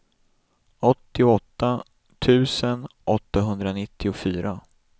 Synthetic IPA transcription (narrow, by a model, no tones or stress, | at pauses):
ɔt̪ːɪʊɔt̪ːa | t̪ʰʉ̟ːsənʔɔt̪ːaɦɵnd̪ɾanɪt̪ʰːɪʊfyːɾʔa